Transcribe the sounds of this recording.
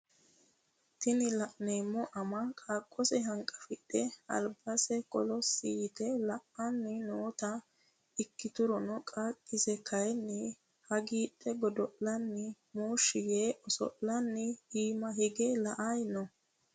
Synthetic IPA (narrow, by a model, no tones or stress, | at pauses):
t̪ɪnɪlɐʔneːmːɔʔɐmɐkʼaːkʼːɔsɛɦɐŋkʼɐfɪtːɛɐ̰lbɐsɛkʼɔlɔsiːt̪ɛlɐʔɐnːɪnoːt̪ɐ | ɪkːɪt̪ʊɾɔnɔkʼaːkʼːɪzɛkʰɐjɛnːɪ | hɐɡiːtʼːɛɡɔd̪ɔʔlɐnːɪ | muːʃɪjeːʔɔsɔ̰ʔlɐnːɪiːmɐhɪɡɛlɐʔajnɔ